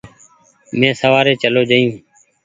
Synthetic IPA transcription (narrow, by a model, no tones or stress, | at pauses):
mɛ̃ːsəʋaːɾeːt͡ʃəloːd͡ʒəːjũː